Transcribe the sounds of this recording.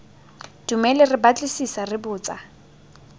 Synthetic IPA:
dumɛlɪrɪbat͡ɬʼɪsisarɪbʊːt͡sʼa

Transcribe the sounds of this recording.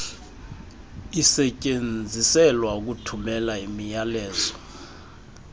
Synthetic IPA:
isɛcʼend͡zʱisɛlwauk̬utʰumɛlaimijalɛːzɔ̥

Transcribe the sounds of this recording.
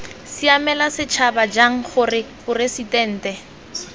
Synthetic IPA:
siamɛlasɪt͡ʃʰabad͡ʒaŋ̩χʊrɪbʊresitɛːn̩ːtɛ

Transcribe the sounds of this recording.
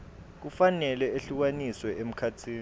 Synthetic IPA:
k̬ufanɛlɛeɬuk̬aniswɛʔem̩kʰatʰiːni

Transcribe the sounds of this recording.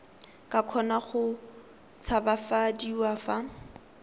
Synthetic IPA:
kʼakʰɔnaχʊ | t͡sʰabafadiwafa

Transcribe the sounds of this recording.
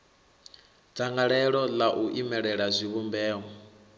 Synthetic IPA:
d͡zaŋɡaɺɛɺɔlaʔuʔimɛɺɛɺazʷiβumbɛːɦɔ

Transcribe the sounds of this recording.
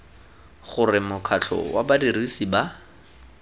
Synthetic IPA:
χʊrɪmʊkʰat͡ɬʰɔ̰wa̰badirisiba

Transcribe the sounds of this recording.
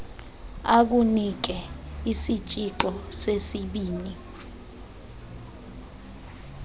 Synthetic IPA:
ak̬unik̬ɛisit͡ʃʼiǁɔsesiɓiːni

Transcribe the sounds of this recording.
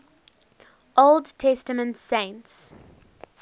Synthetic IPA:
ʔoʊlˠdtʰɛstəmə̃ntsẽɪ̃nts

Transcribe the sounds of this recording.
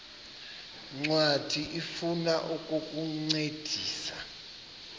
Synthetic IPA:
ŋ͡ǀwad̥ʱiʔifunaʔukʼukʼuŋ͡ǀed̥ʱiːsa

